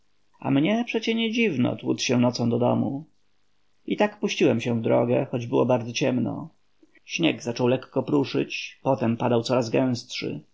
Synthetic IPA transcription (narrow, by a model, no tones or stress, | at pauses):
a̰mɲɛpʂɛt͡ɕɛɲɛd͡ʑivnɔ̰t̪wṵt̪ɕɛ̃nɔt̪sɔ̃w̃d̪ɔd̪ɔ̰mu | it̪akpuɕt͡ɕiwɛmɕɛ̃vd̪ɾɔɡɛxɔd͡ʑbɘwɔbaɾd̪zɔt͡ɕɛmnɔ̰ | ɕɲɛɡzat͡ʂɔwlɛkːɔpɾuʂɘ̰t͡ɕpɔt̪ɛmpad̪aw̪sɔɾazɡɛ̃w̃stʂɘ̰